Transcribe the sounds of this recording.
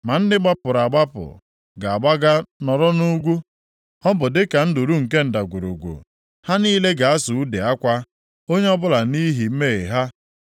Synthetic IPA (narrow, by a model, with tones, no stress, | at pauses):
ma˨n̩˦dɪ˦ɡ͡ba˦pʊ˨ɾa˨ɡ͡ba˦pʊ̰˨ | ɡa˨a˨ɡ͡ba˦ɡa˦nɔ˨ɾɔ˦nu˦ɡʷu˦ | ɔ˦bʊ˨dɪ˦ka˨n̩˦dʊ˨ɾu˦ŋ̩˨ke˦n̩˨da˨ɡʷu˨ɾṵ˨ɡʷṵ˨ | ha˦niː˦le˦ɡa˨a˦sʊ˨u˦de˨a˦kʷa˦ | o˦ɲe˦ɔ˦bʊ˦la˨ni˦ɦi˨m̩˦me˦e˨ɦa˦